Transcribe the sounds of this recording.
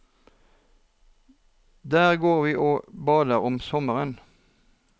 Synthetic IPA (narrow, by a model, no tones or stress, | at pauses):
d̪æːʁɡoːʁʋiːʔoːbɑːd̪əʁɔmsɔməʁən